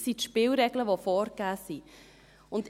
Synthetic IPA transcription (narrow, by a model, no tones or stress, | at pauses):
sit̪ʃpɪːlɾɛɡləʋofɔːɾɡæːsi | ʊnd